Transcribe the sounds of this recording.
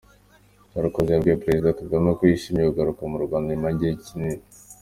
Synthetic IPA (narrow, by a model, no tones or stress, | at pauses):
kaɾakozabɡopɾezidakaɡamakwiʃimieuɡaɾukamuɾɡwaːndimaɟeicinin